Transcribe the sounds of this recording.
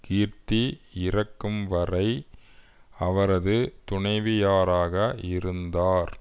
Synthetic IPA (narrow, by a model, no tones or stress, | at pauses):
kiːɾt̪iɪɾɐkːɯmʋɐrɐɪ | ɐʋɐɾɐðɯt̪ʊɳɐɪʋɪjaːɾaːɣɐɪɾɯnd̪aːɾ